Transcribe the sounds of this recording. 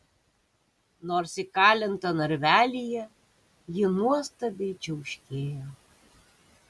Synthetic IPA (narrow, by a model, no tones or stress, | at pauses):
noːɾsɪkɑːlʲɪnt̪ɐnɐɾʲʋʲæːlʲɪjɛ | jɪnuɔst̪ɐbʲɛɪt͡ʃʲɛʊʃʲkʲeːjoː